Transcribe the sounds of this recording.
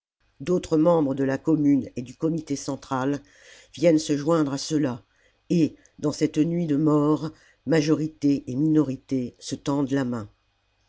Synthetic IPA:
d̪ot̪χəmɑ̃bʁəd̪əlakɔmyned̪ykɔmit̪esɑ̃t̪χal | vjɛnsəʒwɛ̃d̪ʁasəla | e | d̪ɑ̃sɛt̪nɥid̪əmɔʁ | maʒɔʁit̪eʔːminɔʁit̪esət̪ɑ̃d̪lamɛ̃

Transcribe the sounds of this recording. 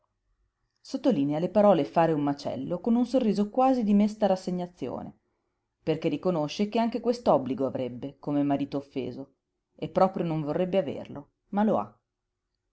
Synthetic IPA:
sot̪ːolinealepaɾɔːlefaːɾeumːat͡ʃɛ̰lːokonunsorːiːzokwaːzid̪imest̪aɾasːeɲːat̪sːjo̰ːnḛ | perkerːikonoʃːekeaŋk̟ekwest̪oɔbːliɡoavɾebːekomemaɾiːt̪oːfːḛːzo | epːɾɔːpɾjonoɱvorːebːeavḛrlo | maloa̰

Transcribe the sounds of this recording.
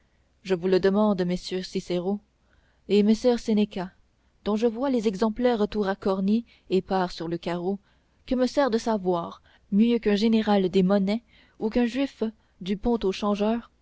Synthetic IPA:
ʒəvuləd̪əmɑ̃d̪məsjøsiseʁo | emesœʁseneka | d̪̥ɔ̃ʒəvwalezɛɡzɑ̃plɛʁət̪uʁakɔʁni | epaːʁsyʁləkaʁo | kəməsɛʁd̪əsavwaːʁ | mjøkɛ̃ʒeneʁald̪emɔnɛ | ukɛ̃ʒɥif | d̪ypɔ̃t̪oʃɑ̃ʒœːʁ

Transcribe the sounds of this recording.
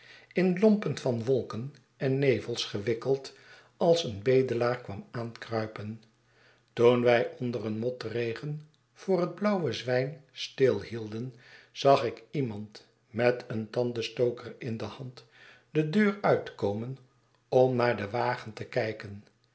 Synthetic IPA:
ɪnlɔmpənfɑnʋɔlˠkən | ɛnːejvəlˠsχəʋɪkəlˠt | ɑlˠsənbejdəlaːɹkʋɑmaːnkrœɥpən | tunʋɛjʔɔndərənmɔtrejχən | v̥ʊːrɦəd̚blɑwəzʋɛjnstɪlˠhilˠdən | z̥ɑχɪkimɑnt | mɛtəntɑndəstowkərɪndəhɑnt | d̥ədøːrœɥtə̥kowmən | ɔmnaːɹdəʋaːχəntəkɛjkən

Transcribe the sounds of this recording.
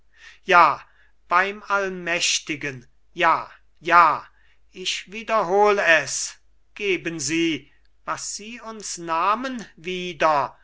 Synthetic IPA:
jaː | b̥aɪmalmɛʃtɪɡən | jaː | jaː | ʔɪçv̥iːdɐɦoːləɛs | ɡ̥eːbənziː | vasz̥iːʊnsnaːmənviːdɐ

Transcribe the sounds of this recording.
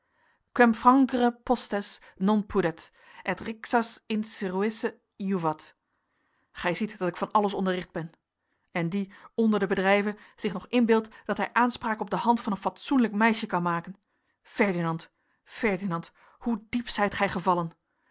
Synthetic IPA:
kwɛmfrɑŋkrəpɔstɛs | nɔnpʰudɛt | ɛtrɪksɑsɪnsəruɪsə | juvɑt | χɛjzitd̥ɑtɪkfɑnɑləsɔndərɪχd̚bɛn | ɛndiɔndəɹdəbədrɛjvənz̥ɪχnɔχɪnbɪlˠtd̥ɑtɦɛjʔaːnspraːkɔb̚dəhɑntfɑnənfɑtsunləkmɛjʃəkɑnmaːkən | fɛɹdinɑnt | fɛɹdinɑnt | hudipsɛjtχɛjχəvɑlən

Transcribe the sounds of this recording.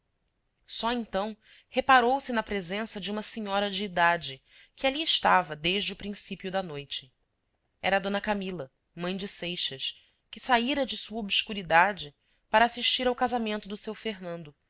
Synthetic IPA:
sɔẽnt̪ɐ̃w̃ | hepaɾowsɪnɐpɾezẽsɐd͡ʒɪũmɐsiɲɔɾɐd͡ʒɪːd̪ad͡ʒɪ | kɪaliɪʃt̪avɐd̪eʒd͡ʒɪʊpɾĩsipjʊd̪ɐnojt͡ʃɪ | ɛ̰ɾɐːd̪õnɐkamilɐ | mɐ̃j̃d͡ʒɪsejʃɐʃ | kɪsaiɾɐd͡ʒɪsuɐobskuɾid̪ad͡ʒɪ | paɾɐːsiʃt͡ʃiɾawkazamẽnt̪ʊd̪ʊsewfeɦnɐ̃nd̪ʊ

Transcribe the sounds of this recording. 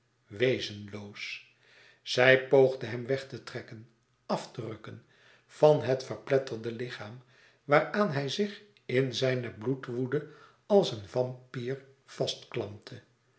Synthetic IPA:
ʋejzənlows | z̥ɛjpowχdəɦɛmʋɛχtətrɛkən | ɑftərɵkən | v̥ɑnɦətfəʁplɛtərdəlɪχaːm | ʋaːraːnɦɛjzɪχ | ɪnzɛjnəblutʋudə | ɑlˠsənvɑmpiːɹ | v̥ɑstklɑmtʰə

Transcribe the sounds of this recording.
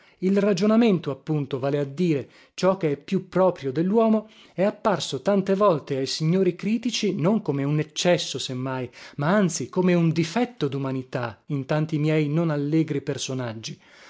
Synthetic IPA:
ilrad͡ʒonament̪oapːunt̪ovaːlead̪ːiːɾe | t͡ʃɔk̟ːeɛpːjupːɾɔːpɾjod̪elːwɔːmo | ɛapːarsot̪ant̪evɔlt̪eajsiɲːoːɾikɾiːt̪it͡ʃinoŋkomeunet͡ʃːɛsːosemːajmaant̪sikomeund̪ifɛt̪ːod̪umanit̪aint̪ant̪imjɛjnonalːeːɡɾipersonad͡ʒːi

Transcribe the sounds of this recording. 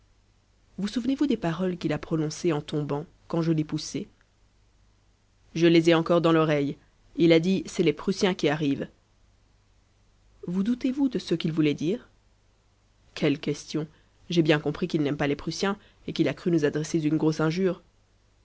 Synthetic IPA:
vusuvnevud̪epaʁɔlkʲilapχɔnɔ̃seɑ̃t̪ɔ̃bɑ̃ | kɑ̃ʒəlepusɛ | ʒəlezɛɑ̃kɔʁd̪ɑ̃lɔʁɛj | ilad̪isɛlepχysjɛ̃kʲiaʁiv | vud̪ut̪evud̪əsəkʲilvulɛd̪iːʁ | kʰɛlkʲɛst̪jɔ̃ | ʒebjɛ̃kɔ̃pχikilnɛmpalepχysjɛ̃ | ekilakχynuzad̪ʁɛsezynɡʁosɛ̃ʒyːʁ

